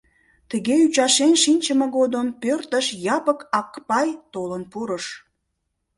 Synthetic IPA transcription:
t̪əɣeyt͡ɕɑʃenʃinʲt͡ɕəməɣod̪əmpørt̪əʃjɑpəkɑkpɑjt̪olənpuɾəʃ

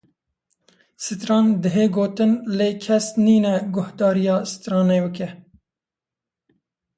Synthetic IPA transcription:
sɨt̪ɾɑːnd̪ɨɦeːɡoːt̪ɨnleːkʰɛsniːnɛɡʊhd̪ɑːɾijɑːsɨ̥t̪ɾɑːneːbɨkɛ

